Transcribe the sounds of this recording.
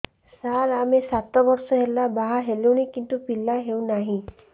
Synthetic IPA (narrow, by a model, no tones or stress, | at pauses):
saɾamesat̪ɔbɔɾsɔɦelabaɦaɦeluwñikint̪upilːaɦewnaɦĩ